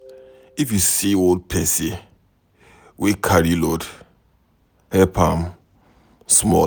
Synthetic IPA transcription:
ifjusiold̚pʰɛsi | wekʰaɹilɔd | hɛpãm | smɔ̰

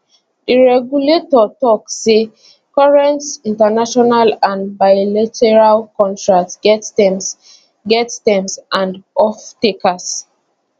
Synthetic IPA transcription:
diɹɛɡjuletɔtɔksːe | kɔɹɛ̃ntĩntanaʃɔnalãnbaɪlatʰɛɹalkɔ̃ntɹak̚tsɡɛtɛms | ɡɛttɛ̃msʔãndɔftekas

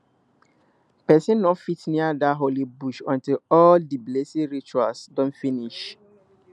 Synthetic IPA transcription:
pɛsĩnnɔtfitniadaɦolibuʃɔ̃ntilɔldiblesiɹit͡ʃualsdɔ̃nfiniʃ

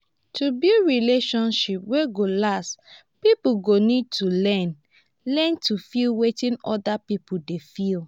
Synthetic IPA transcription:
tʰubilɹileʃɔ̃nʃipweɡolast | pipuɡonid̚tʰulɛ̃n | lɛ̃ntʰufilwetĩnɔdapipudefil

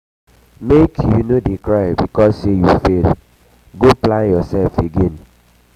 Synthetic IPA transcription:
mekjunodikɹaɪbikɔsejufel | ɡoplãnjɔsɛlfeɡẽn

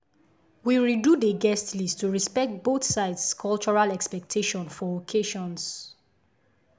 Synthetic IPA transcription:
wiɹidudəɡɛstlistuɹispɛk̚t̚boθsaɪdskʰɔlt͡ʃɔɹalɛkspɛk̚tʰeʃɔ̃nfɔokʰeʃɔ̃ns

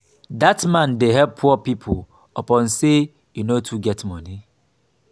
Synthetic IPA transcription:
datmãndeɦɛp̚pʰupipʰo | ɔpɔ̃nse | junotʰuɡɛtmɔ̃ni

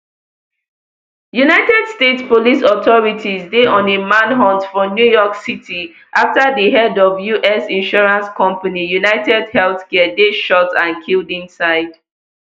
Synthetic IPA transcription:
junaɪtɛd̥stetspolisɔtʰɔɹitʰizdeʔɔ̃nemãnɦɔ̃ntfɔ̃njujɔksitʰi | ʔaftadiɦɛdɔvjuʔɛsĩnʃɔɹãnskʰɔ̃mpanijunaɪtɛdhɛlˠθkɛədeʃɔtãnkʰildĩnsaɪd̥

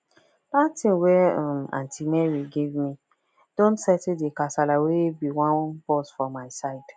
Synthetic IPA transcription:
d̥atʰĩnwɛãmã̰ntʰimɛɹiɡevmi | d̥õntsɛtidekasalawebiwãnbɔsfɔmːaɪsaɪd̥

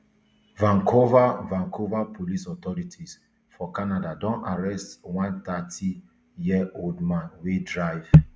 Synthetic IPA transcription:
vãŋkʰovavãŋkʰovapʰolisɔt̪ɔɹitʰis | fɔkanadadɔ̃naɹɛstwãnt̪atʰi | jiʔoldmãnwedɹajv̥

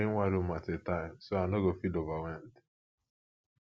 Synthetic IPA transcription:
iŋ̩ŋʷaɾumatɪtaɪmsoanoɡofidovawɛnt

